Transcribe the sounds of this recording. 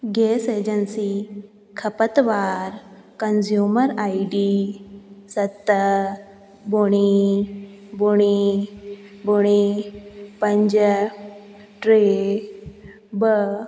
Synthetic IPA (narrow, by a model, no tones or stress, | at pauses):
ɡesed͡ʑənsi | kʰəpət̪ʋaɾ | kənzjuməɾaiɖi | sət̪ːə | buɽ̃i | buɽ̃i | buɽ̃i | pəɲd͡ʑə | ʈɾe | bə